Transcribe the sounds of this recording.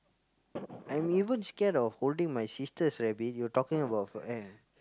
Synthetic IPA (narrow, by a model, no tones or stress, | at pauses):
ʔãj̃mivə̃nskɛdɔfholdĩŋmajsistəsɹɛbit̚jɔtɔkĩŋəbaʊtfɛ